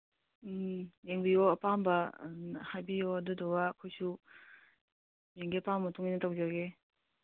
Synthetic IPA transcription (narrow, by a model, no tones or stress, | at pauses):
jeŋbijɔɐpambɐhajbijɔɐdudɔwaːkʰojsu | meŋɡipammɐtʰuŋinɐtawd͡ʒaɡe